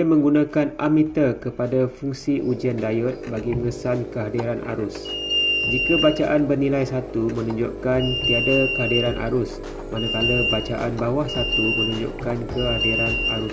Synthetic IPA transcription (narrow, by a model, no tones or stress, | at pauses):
amə̃ŋɡunãkanamit̪akəpadafuŋsiʔud͡ʒiandajət̪̚baɡiməŋəsankəɦadiɾana̰ɾusd͡ʒikabat͡ʃaʔanbərnĩlajsat̪umə̃nuɲd͡ʒo̰ʔkant̪iadakəɦadiɾanʔa̰ɾʊs | manãkalabat͡ʃaʔanbawahsat̪umənũɲd͡ʒo̰ʔkankəadiɾanaɾus